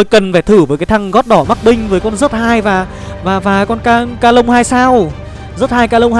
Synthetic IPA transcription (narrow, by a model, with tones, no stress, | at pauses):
o˧jkə˨˩nfaː˧˩jt̪ʰɨ˧˩vəː˨˦kaː˨˦jt̪ʰa˧ŋɣɔ˦˥t̚ɗɔ˧˩ma˦˥k̚ɓï˧ŋ̟vəː˨˦jkɔ˧nzə˦˥t̚haː˧jvaː˨˩ | vaː˨˩vaː˨˩kɔ˧nkaː˧kaː˧lə˧wŋ͡mhaː˧jsaː˧w | zə˦˥t̚haː˧jkaː˧lə˧wŋ͡mh